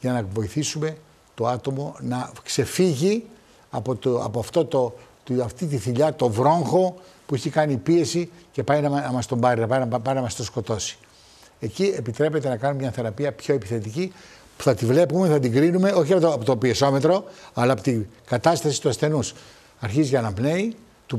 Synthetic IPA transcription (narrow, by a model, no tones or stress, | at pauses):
ʝɐnɐvo̞iθisume̞ | t̪o̞ɐt̪o̞mo̞nɐkse̞fiʝi | ɐpot̪ɐ̰poɐft̪o̞t̪o | ɐft̪it̪iθiʎɐt̪o̞vɾo̞ŋxo̞puiçikɐnipie̞sice̞pɐjnɐnɐmɐst̪o̞mbɐɾinɐpɐnɐpɐjnɐmɐst̪o̞sko̞t̪o̞si̥ | e̞cie̞pit̪ɾe̞pe̞t̪e̞nɐkɐnumemɲɐθe̞ɾɐpiɐpço̞epi̥θe̞t̪ici | pu̥θɐt̪ivle̞pumeθɐt̪iŋɡɾinume̞o̞çiɐpoopot̪opieso̞me̞t̪ɾo̞ɐlɐːpot̪iɡɐt̪ɐst̪ɐsi̥t̪uɐsθe̞nus | ɐɾçiziʝɐnɐpne̞i | t̪u